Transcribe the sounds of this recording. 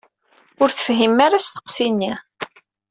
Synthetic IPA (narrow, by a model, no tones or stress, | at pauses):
ʊɾθə̥fɦimːaɾasθə̥qsinːi